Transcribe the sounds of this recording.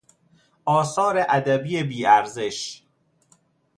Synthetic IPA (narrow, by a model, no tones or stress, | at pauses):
ʔɒːsɒːɾeʔæd̪æbiːjebiːæɾze̞ʃ